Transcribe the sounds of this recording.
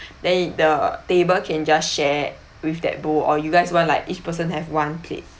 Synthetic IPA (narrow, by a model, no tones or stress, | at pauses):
dɛ̃ndətebəlkʰɛ̃nd͡ʒasʃɛ | wifdɛ̰t̚boʔɔjuɡaɪswɔ̃ntlaɪkit͡ʃpəs̬ə̃nhɛfwãnpʰlḛs̚